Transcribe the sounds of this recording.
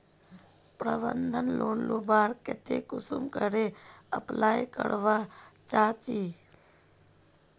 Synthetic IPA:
pɾəbə̰nd̪ʱənloːnloːbaːɾket̪ekʊsumkəɾeəplaːjkə̰ɽʋat͡ʃaːt͡ʃiː

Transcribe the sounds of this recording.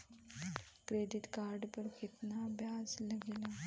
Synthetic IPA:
kɾeːɖ̪ɪt̪kaɾɖpəɾkɪt̪nabjaːzlɐɡeːla

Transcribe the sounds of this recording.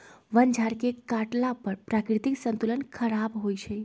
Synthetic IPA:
ʋənd͡ʒʱaɾkekaʈlapəɾpɾakɾɪt̪iksənt̪ulənkʰəɾabɦojt͡ʃʰe

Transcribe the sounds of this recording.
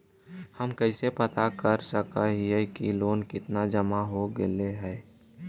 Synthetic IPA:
həmkəɪsepət̪akəɾsəkaɦiɛkiloːnkɪt̪nad͡ʒəmaɦoɡeleɦɛː

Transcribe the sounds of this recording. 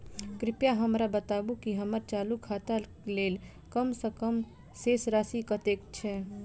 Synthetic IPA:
kɾɪpjaɦəmɾabət̪aːbukiɦəməɾt͡ʃaːlukʰaːt̪a | leːl | kəmsəkəm | seːsɾaːsikət̪eːk̚t͡ʃʰɛ

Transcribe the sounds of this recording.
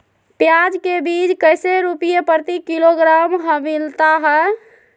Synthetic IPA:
pjad͡ʒkebid͡ʒkəjseɾupijepəɾt̪ikiloɡɾamɦəmilt̪aɦɛ

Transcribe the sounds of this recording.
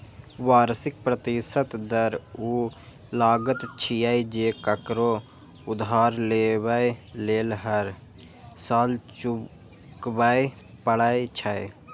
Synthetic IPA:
waːɾsɪk̚pɾət̪isət̪d̪əɾu | laːɡət̪t͡ʃʰijajd͡ʒekəkɾo | ʊd̪ɦaːɾlebəeleːlɦəɾ | saːlt͡ʃu | kbaj | pəɽajt͡ʃʰae

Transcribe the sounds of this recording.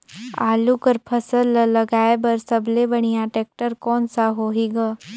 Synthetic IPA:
aːlukəɾpʰəsəllːɐɡaːebɐɾsəblebɐɽ̃ijaʈeːk̚ʈəɾkɔːnsaɦoːɦiɡa

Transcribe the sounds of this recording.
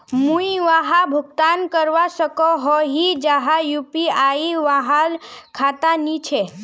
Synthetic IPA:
mũiʋaɦabʱʊɡt̪ankəɾʋaʃəkɔɦɔɦid͡ʒaɦajupiaiʋaɦalkʰat̪anit͡ʃʰe

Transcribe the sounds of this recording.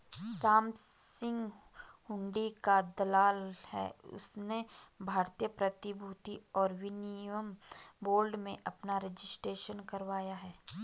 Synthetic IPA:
saːm | sɪ̃ŋɡ | hʊ̃ɳɖikad̪ɐlaːlhɛ̰ːʊ̰snebʱaːɾt̪ijəpɾɐt̪ɪbʱut̪iɔːɾʋɪniwəmboːlɖmẽʔɐpnaɾed͡ʒɪsʈɾeːʃənkɐɾʋaːjaɦɛː

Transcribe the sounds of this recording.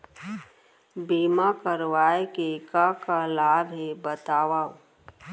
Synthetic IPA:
biːmakəɾʋaːekekakalaːbɦebət̪aːʋaːo

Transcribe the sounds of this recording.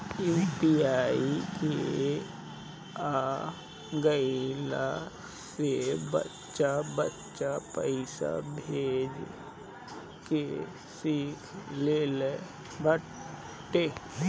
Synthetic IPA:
ɛpiaːike | a | ɡəila | sebə̰tːʃabətːt͡ʃʃapəɪsa̰bʱeːd͡ʒ | ke | siːkʰleːle | bə | ʈe

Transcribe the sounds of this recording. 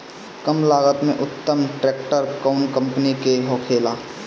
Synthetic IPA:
kəmlaːɡət̪mẽʔʊt̪ːəmʈɾeːk̚ʈəɾkaːʊnkə̃mpənikeɦoːkʰeːlaː

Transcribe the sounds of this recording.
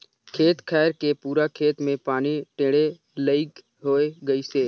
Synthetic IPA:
kʰeːt̪kʰɛːɾkepuːɾakʰeːt̪mẽpaːniʈẽːɽe | ləɪk | ɦoːeɡəiseː

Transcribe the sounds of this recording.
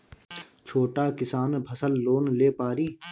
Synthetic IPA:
t͡ʃʰoːʈaːkɪsaːnbʰʱəsəlːoːnleːpaːɾiː

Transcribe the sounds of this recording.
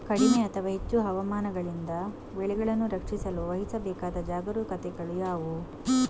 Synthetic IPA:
kɐɽimeɐt̪ʰɐʋaːɦet͡ʃːuɦɐʋɐmaːnɐɡɐɭind̪ɐ | beɭɛɡɐɭɐnːuɾɐkʂisɐluʋɐɦisɐbɛːkaːd̪ɐd͡ʒaːɡɐɾukɐt̪ɛɡɐɭujaːʋu

